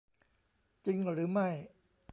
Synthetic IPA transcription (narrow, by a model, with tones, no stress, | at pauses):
t͡ɕi˧ŋə˨˩ɾɯ˨˦ma˧˩j